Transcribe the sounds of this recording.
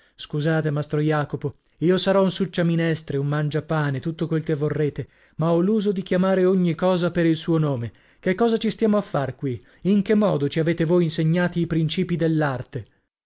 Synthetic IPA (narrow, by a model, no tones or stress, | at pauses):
skuzaːt̪emast̪ɾojaːkopo | iːosaɾɔunsut͡ʃːaminɛst̪ɾeummand͡ʒapaːnet̪ut̪ːokwelkevːorːeːt̪e | maɔlːuːzod̪ik̟jamaːɾeoɲːikɔːzapeɾilsuːonoːme | kekːɔːzat͡ʃist̪jaːmoafːarkwi | iŋkemːɔːd̪ot͡ʃiaveːt̪evojinseɲːaːt̪iːpɾint͡ʃiːpid̪elːart̪e